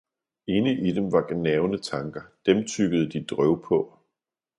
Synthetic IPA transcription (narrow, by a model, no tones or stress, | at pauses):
e̝ːnəʔid̥emʋɑ̈ɡ̥nɛʊnət͡sʰɑ̈ŋɡ̥ɐd̥emt͡sʰyɡ̥əð̩ˠəd̥id̥ʁœʊpʰɔ̽